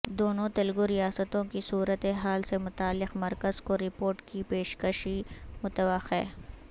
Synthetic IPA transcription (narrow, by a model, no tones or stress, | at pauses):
d̪oːnõt̪ɐlɡoɾijaːsət̪õkisuːɾət̪eɦaːlsemʊt̪aːlːɪqmɐɾkəzkoɾɪpoːɾʈkipeːʃkəʃimʊt̪əʋəxḛː